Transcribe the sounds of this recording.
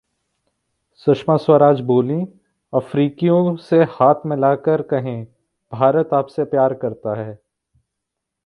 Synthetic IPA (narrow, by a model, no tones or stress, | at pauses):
sʊʃmaswəɾaːd͡ʒboːlĩ | ɐfɾiːkijõsehaːt̪ʰmɪlaːkəɾkɐɦẽ | b̥ʱaːɾət̪aːpsepjaːɾkɐɾt̪aɦɛː